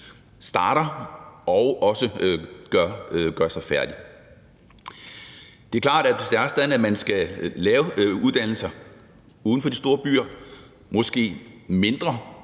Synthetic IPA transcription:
sd̥ɑ̈ːɾ̥ɐʔɒʊɒ̽səɡ̥ɶɐɡ̥ɶɐsɑ̈ɪfæɐd̥i | d̥e̝æɐklɑ̰̈ːɾæ̥sd̥æsd̥æðˠn̩æmænsɡ̥ælɛːʊuðˠd̥æn̰l̩sɐ | uːðˠn̩fɒ̽d̥isd̥o̝ːɐb̥y̰ːɐ | mɒ̽sɡ̥e̝̰ːme̝nd̥ʁɐ

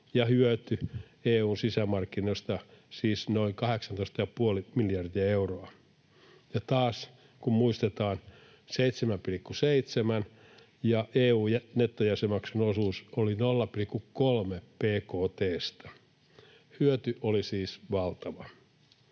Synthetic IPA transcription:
jɑhyøt̪y | eːuːnsisæmɑrkːinost̪ɑsiːsnoiŋkɑheksɑnt̪oist̪ɑjɑpuolimiljɑrd̪iæeuroɑ | jɑt̪ɑːs | kummuist̪et̪ɑːn | seit̪semæmpilikːuseit̪semæn | jɑʔeːuːjnet̪ːojæsemɑksenosuːsolinolːɑpilikːukkolmepeːkoːt̪eːst̪ɑ̥ | hyøt̪yʔolisiːsʋɑlt̪ɑʋɑ

